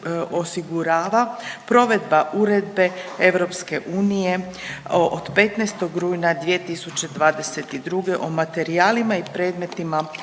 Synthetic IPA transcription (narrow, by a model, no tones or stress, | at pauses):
osiɡuɾaːʋapɾo̞ʋe̞d̪baʔuɾe̞d̪be̞eʋɾo̞pske̞ʔuːnije | od̪̥pe̞t̪nɛjst̪o̞ɡɾuːjnad̪ʋie̞t̪isut͡ɕe̞d̪ʋaːd̪e̞se̞t̪id̪ɾuɡe̞ʔomat̪e̞ɾiaːlimaipɾe̞ːd̪me̞t̪ima